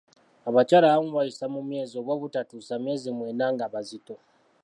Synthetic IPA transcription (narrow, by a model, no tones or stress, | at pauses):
aβacaːlaβamuwajisamumje̞ːzio̞βwaβutatusame̞ːzimweːnaŋɡaβazito̞